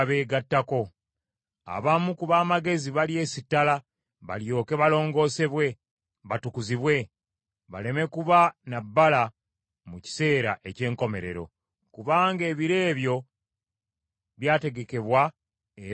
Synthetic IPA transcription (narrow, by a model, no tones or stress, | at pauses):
βe̞ːɡatːako̞ | a̰βamukuβaːmaɡe̞ziβalie̞ːsitːala | βa̰ljo̞ːke̞βalo̞ːŋɡo̞ːse̞βwe̞ | βatukuziβwe̞ | βa̰le̞me̞kuβanabːala | muci̥se̞ːɾaʔe̞ce̞ːŋko̞me̞ɾe̞̰ɾo̞̰ | kuβaːŋɡe̞ːβiɾe̞ːβjo̞ | βjaːte̞ɡe̞ke̞βwa | e